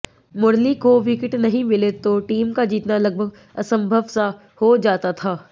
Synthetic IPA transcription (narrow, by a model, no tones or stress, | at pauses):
mʊɾlikoʋɪkɪʈnɐɦĩmɪlet̪oʈiːmkad͡ʒiːt̪nalɐɡ̚bʱəɡ̚ | ɐsə̃mbʱəʋsa | hod͡ʒaːt̪at̪ʰaː